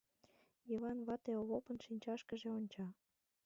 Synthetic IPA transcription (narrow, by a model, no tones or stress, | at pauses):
jiβɑnβɑt̪eoβopə̆nʃinʲt͡ɕɑʃkəʒĕonʲt͡ɕɑ